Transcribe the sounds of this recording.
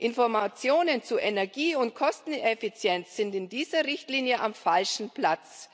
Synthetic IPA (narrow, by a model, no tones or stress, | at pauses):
ʔɪnfɔɐmat͡sjoːnənt͡suʔɛnɛɐɡiːʊnt̚kʰɔstn̩ɛfit͡sjɛnt͡sz̥ɪntɪndiːzɐʁɪçtliːnjəʔamfalʃn̩plat͡s